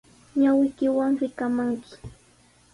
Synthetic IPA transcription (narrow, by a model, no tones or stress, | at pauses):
ɲawɪjkɪwaŋɾɪkamaŋkɪ̥